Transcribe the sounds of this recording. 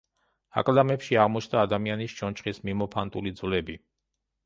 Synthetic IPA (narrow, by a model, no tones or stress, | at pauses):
a̰kʼld̪amɛpʃiaʁmɔt͡ʃʰnd̪aːd̪amianist͡ʃɔnt͡ʃʰχismimɔpʰant̪ʼulid̪zvlɛbi